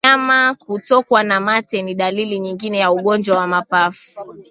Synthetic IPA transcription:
amakutɔkwanamatɛniɗaliliɲiŋɡinɛjauɠɔnd͡ʒwawamapafu̥

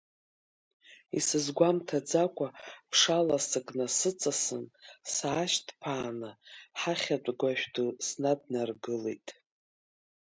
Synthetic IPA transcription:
ḭsɨzɡʷamtʰad͡zakʷʰʼapʰʂalasɨkʼnasɨt͡sʼasɨnsaːʃtʰʼpʰaːnɨħaχʲat͡pʷʼɡʷaʃʷᶣdusnadnarɡɨle̞̰jtʼ

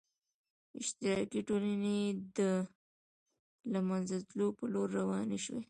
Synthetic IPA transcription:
ɪʃt̪ɪɾɑkiʈolaned̪ə | lamanzat̪lopəloɾːawɑneʃwḛ

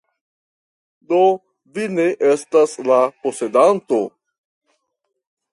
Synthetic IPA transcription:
do̞ | vine̞ʔestaslapose̞danto̞

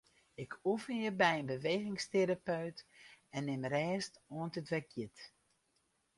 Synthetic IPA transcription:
ɪkʰufənjəbɛjənbəʋeːɣɪŋsteɾapœɥtɛnːɪmrɛːstoəntətʋɛkjɪt

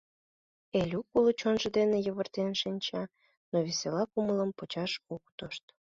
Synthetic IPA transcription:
elʲukulot͡ɕonʒə̆d̪enejəβərt̪enʃinʲt͡ɕɑ | noβeselɑkumələmpot͡ɕɑʃukt̪oʃt̪

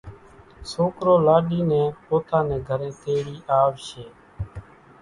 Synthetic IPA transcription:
soːkɾoːlaːɗiːnẽːpoːt̪ãːnɛ̃ːɡʱəɾẽːt̪eːɽiːʔaːʋʃeː

